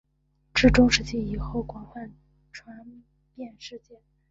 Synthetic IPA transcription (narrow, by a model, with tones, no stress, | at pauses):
ʈ͡ʂɻ̩˥˩ʈ͡ʂʊ˥ŋʂɻ̩˥˧t͡ɕi˥˩i˨˩xo˥˩ʊkwɑ˨˩ŋfa˥˩n | ʈ͡ʂʰwa˧˥n | pjɛ˥˧nʂɻ̩˥˧t͡ɕjɛ˥˩n